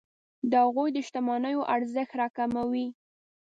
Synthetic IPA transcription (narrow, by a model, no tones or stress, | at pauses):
d̪əhaɣojd̪əʃt̪amɑnəjoʔaɾzəxt̪ɾɑkamawi